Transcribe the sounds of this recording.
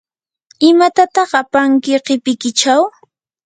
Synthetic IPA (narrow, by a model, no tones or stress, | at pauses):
ɪmat̪at̪ɑχapaŋkɪqɪpɪkɪt͡ʃaw